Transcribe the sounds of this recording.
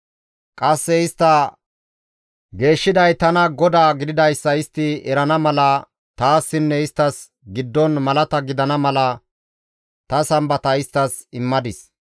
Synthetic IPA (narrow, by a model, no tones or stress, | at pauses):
kʼɐsːɛɪst̪ːɐ | ɡe̞ːʃːɪd̪ɐjt̪ɐnɐɡɔd̪aːɡɪd̪ɪd̪ɐjsːɐɪst̪ːɪɛɾɐnɐmɐlɐ | t̪aːsːɪnːɛɪst̪ːɐs | ɡɪd̪ːɔnmɐlɐt̪ɐɡɪd̪ɐnɐmɐlɐ | t̪ɐsɐmbɐt̪ɐɪst̪ːɐs | ɪmːɐd̪ɪs